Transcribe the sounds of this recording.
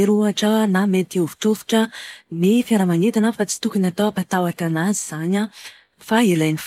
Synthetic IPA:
iɾuaʈ͡ʂanamet̪iuvi̥ʈ͡ʂofu̥ʈ͡ʂənifjaɾamanit̪anəfat͡si̥t̪ukunat̪awapat̪awaʈ͡ʂanaziz̥aɲə | failajnif

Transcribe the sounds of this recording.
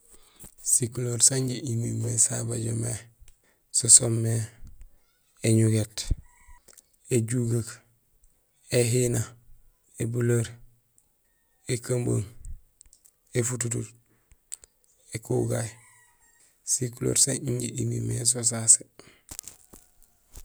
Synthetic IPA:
sikuloɾsaɲɟeʔimimesabaɟome | sosomːe | eɲuɡet | eɟuɡak | eɦina | ebuloɾ | ekambo̰ŋ | efututut | ekṵɡaj | sikulo̰ːɾsaɲiɲɟḛʔimḭmes̬os̬ase

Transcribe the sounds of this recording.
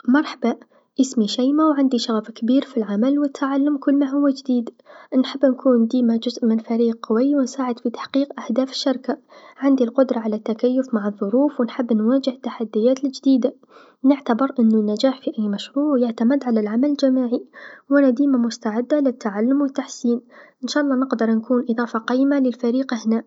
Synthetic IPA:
mɑɾˤħaba | ʔɪsmiʃajmawʕand̪iʃaɣfkbiːɾfilʕamalwɪt̪ʰːaʕalːʊmkʊlːmaɦʊwːad͡ʒd̪iːd̪ | nħɪbːnkʰuːnd̪iːmad͡ʒʊzʔmɪnfaɾiːqqʊwajːwɪnsaːʕɪd̪fit̪ḁħqiːqʔahd̪aːfɪ̥ʃːɑɾkaʕɪnd̪ilqʊd̪ɾˤɑʕalat̪ːakajːʊfmaʕɨðˤːʊɾuːfwɪnħɪbːnwaːd͡ʒɪht̪ːaħad̪ːɪjaːt̪ɪld͡ʒd̪iːd̪a | nɪʕt̪abɪɾʔɪnːʊnːad͡ʒaːħfiʔajːmaʃɾuːʕjaʕt̪amɪd̪ʕalalʕamalɪld͡ʒamaːʕiwʔanad̪iːmamʊst̪aʕɪd̪ːalɪt̪ːaʕalːʊmwɪt̪ːaħsiːnʔɪnʃaːʔɑlˤːɑːnɪqd̪ɑɾˤnkʰuːnʔɨd̪ˤɑːfɑqɑːjmalɪlfaɾiːqʔahnaː

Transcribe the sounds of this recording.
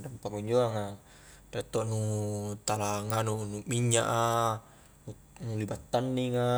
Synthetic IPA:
dampakuɲd͡ʒoaŋa | tat̪ːoʔnut̪alaŋanunumiɲːa̰ʔa | u | nulibat̪ːanːiŋa

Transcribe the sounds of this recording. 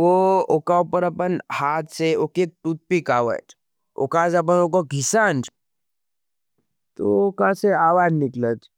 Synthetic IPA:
ʋookaupəɾɐpənhaːt̪ʰseoket̪ut̪̚pikaːʋə̰t͡ʃ | o̰kaːsɐp̬ənok̬oɡʱisaːnd͡ʒ | t̪ookãseaːʋaːd͡ʒnikləd͡ʒ

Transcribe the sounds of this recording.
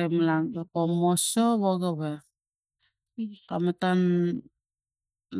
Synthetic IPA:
emalaŋɡekomosoβoɡeβe | kametan

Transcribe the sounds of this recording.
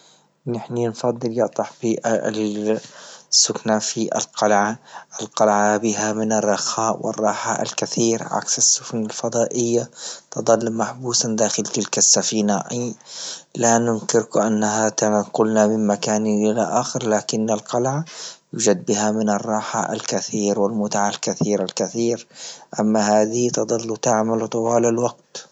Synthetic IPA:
nɪħninfɑd̪ˤːɨljɑʔt̪ˤɑħbiːʔ | sːʊknafiʔa̰lqɑlʕaʔɪlqɑlʕabɪɦamɪnɑrˤːɑxaːʔwɪ̰rˤːɑːħa̰a̰lkaθiːɾʕa̰ksasːʊfnalfɑd̪ˤɑːʔɪjːat̪ɨd̪ˤɑlːmaħbuːsand̪aːxɪlt̪ɪlkasːafiːnaʔ | lanʊnkɪɾkʔanːaɦat̪aqʊlnamɪmmakaːnʔɪlaʔaːxɪɾlaːkɪnːalqɑlʕajuːd͡ʒad̪̚bɪɦamɪnɑrˤːɑːħa̰ʔa̰lkaθiːɾwɪlmʊt̪aʕalkaθiːɾalkaθiːɾʔamːahaːðɪhit̪ɨd̪ˤɑlːut̪aʕmalt̪ˤɑwaːlalwaɡt̪

